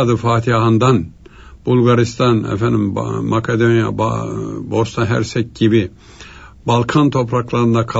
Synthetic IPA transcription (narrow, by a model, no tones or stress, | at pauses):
d̪ɨfɑːt̪ʰijɑɦɑnd̪ɑn | b̥ulˠɡɑɾist̪ɑnɛ̰fænd̪immɑkʰɛd̪onijɑ̰bbost̪ɑnɦæ̰ɾsɛk̚ɡibi | bɑlˠkʰɑnt̪ʰopʰɾɑklˠɑɾɨnd̪ɑkʰɑ